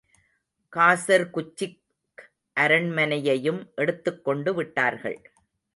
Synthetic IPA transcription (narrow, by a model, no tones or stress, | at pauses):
kaːsɐɾkʊt͡ʃːɪk | ʔɐɾɐɳmɐnɐjɐjɯmʔɛɽɯt̪ːɯkːɔɳɖɯʋɪʈːaːɾɣɐ̰ɭ